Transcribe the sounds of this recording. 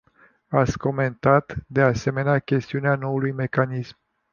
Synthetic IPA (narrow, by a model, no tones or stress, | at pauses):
at̪sʲko̞me̞nt̪at̪d̪e̞ase̞me̞neakʲe̞st̪iuneano̞ulujme̞kanism